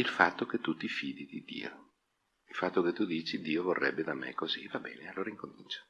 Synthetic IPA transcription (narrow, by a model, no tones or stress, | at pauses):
ilfat̪ːok̟et̪ːut̪ːifiːd̪id̪id̪ḭːo | ilfat̪ːoket̪ːud̪iːt͡ʃid̪iːovorːʔɛ̰bːed̪amḛkːozivabɛ̰ːnealːoːɾaiŋkomint͡ʃḁ